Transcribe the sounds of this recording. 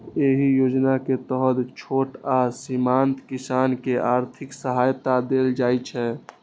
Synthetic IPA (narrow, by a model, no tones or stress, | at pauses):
eɦijod͡ʒnaket̪əɦəd̪t͡ʃʰoʈasimant̪kisankeʔaɾt̪ʰiksəɦajt̪ad̪eld͡ʒajt͡ʃʰɛ